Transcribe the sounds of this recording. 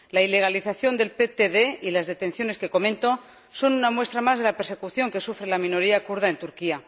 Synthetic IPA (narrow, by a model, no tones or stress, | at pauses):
laile̞ɣ̞aliθaθjo̞nd̪e̞lpet̪eðe̞ilazðe̞t̪ẽ̞nθjo̞ne̞ske̞ko̞mẽ̞nt̪o̞ | so̞nunamwe̞st̪ɾamazð̞e̞lape̞ɾse̞kuθjo̞ŋke̞sufɾe̞lamĩno̞ɾiakuɾð̞ae̞nt̪uɾkia